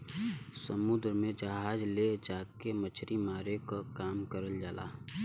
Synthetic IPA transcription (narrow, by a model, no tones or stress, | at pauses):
səmud̪ɾmẽd͡ʒaɦaːd͡ʒled͡ʒaːkemət͡ʃʰɾimaːɾekokaːmkəɾəld͡ʒaːla̰ː